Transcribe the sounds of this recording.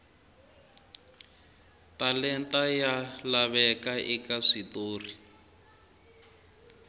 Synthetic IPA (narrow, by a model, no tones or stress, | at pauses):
talɛntajalaβɛkaʔikaʂitoːri